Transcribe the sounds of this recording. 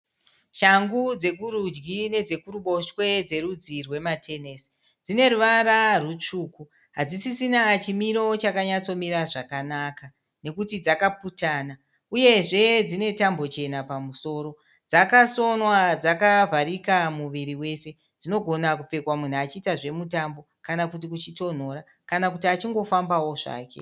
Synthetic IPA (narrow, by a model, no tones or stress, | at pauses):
ʃaŋɡud͡ze̞k̬uɾud͡ʒɡine̞d͡ze̞kuruɓo̞ʃwe̞d͡ze̞ɾud͡zirwe̞matʰe̞neːsi̥ | d͡zine̞ɾuʋaɾarut͡ʂuːku | ɦad͡zisisinat͡ʃimiɾo̞t͡ʃakaɲat͡so̞miɾaʐakanaka | ne̞kutid͡zakaputaːna | uje̞ʐe̞d͡zine̞tambo̞t͡ʃe̞napamuso̞ːɾo̞ | d͡zakaso̞nwad͡zakavʱaɾikamuʋiɾiwe̞se̞ | d͡zino̞ɡʱo̞nakup͡fe̞kwamun̤uat͡ʃiːtaʐe̞mutambo̞kanakutikut͡ʃito̞n̤o̞ɾa | kanakutiat͡ʃiŋɡo̞fambawo̞ʐa̰ːkḛ